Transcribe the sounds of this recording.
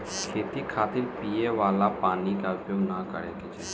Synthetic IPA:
t̪et̪iːkʰat̪iːlpijeʋalapanikaupjoɡnakə̰ɽjaket͡ɕe

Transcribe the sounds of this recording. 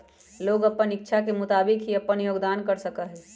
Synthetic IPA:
loːɡɐpːənɪkːʃʰakemʊt̪aːbɪkɦiɐpːənjoːɡd̪aːnkəɾsəkəɦɛː

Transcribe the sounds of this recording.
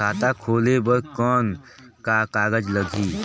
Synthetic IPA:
aːt̪akʰoːlebəɾkɔːnkakaːɡəd͡ʒləɡʱiː

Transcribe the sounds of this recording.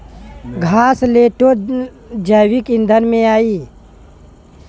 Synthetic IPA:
ɡʱaːsleːʈo | d͡ʒəːwikɪ̃nd̪ʱənmẽaːiː

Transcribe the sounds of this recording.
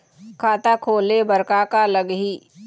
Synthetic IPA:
kʰaːt̪akʰoːlebəɾkakaləɡɦiː

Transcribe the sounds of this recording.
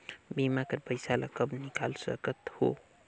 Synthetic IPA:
bimakəɾpəjsalʔa̰kəbnikalsə̰kət̪ho̰

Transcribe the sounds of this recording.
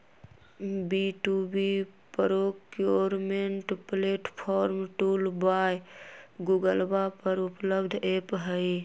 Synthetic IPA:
biʈubipəɾokjoɾmeɳʈpleʈpʰɔɾmʈulbajɡuɡəlbapəɾupləbd̪ʱepɦəj

